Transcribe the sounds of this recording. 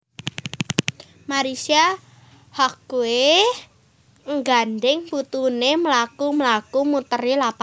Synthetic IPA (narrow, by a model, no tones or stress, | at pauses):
maɾisia | hɔkue | ŋɡandɪŋbut̪uneməlakuməlakumut̪ərilapa